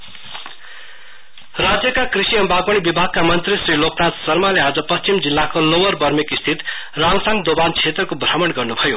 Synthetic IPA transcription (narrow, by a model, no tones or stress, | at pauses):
rad͡zjʌkakrisiʌmbʱaɡʌɽ̃ibibʱaɡ̚kːamʌnt̪risriloknat̪sʌrmalead͡zʌpʌst͡ʃimd͡zilːakolowʌrbʌrmikist̪ʰit̪ | raŋsaŋd̪obant͡sʰet̪rʌkobrʌmʌɽɡʌrnubʱʌjo